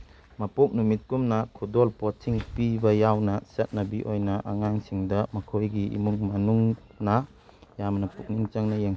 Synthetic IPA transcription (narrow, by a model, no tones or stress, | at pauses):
mɐpok̚numit̚kumnɐkʰudolpɔtsiŋpibɐjawnɐset̚nɐbiʔojnɐʔaŋaŋsiŋdɐmɐkʰojɡiḭmuŋmɐnuŋ | nɐ | jamnɐpuk̚nint͡ʃɐŋnɐjeŋ